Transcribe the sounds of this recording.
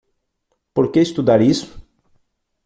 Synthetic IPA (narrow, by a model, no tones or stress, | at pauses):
poɾkeist̪ud̪aɾisʊ̥